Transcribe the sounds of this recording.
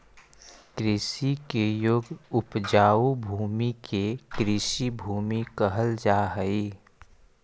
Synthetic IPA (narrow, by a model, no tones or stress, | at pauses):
kɾɪʃikejoːɡʊpd͡ʒaːubʱuːmikekɾɪʃibʱuːmikəɦəld͡ʒaːɦəi